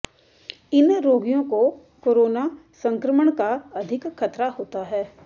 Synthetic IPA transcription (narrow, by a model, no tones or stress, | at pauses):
ɪnɾoːɡijõko | koːɾoːnasɐ̃ŋkɾəməɽ̃kaɐd̪ʱɪkxʰɐt̪ɾaɦoːt̪aɦɛː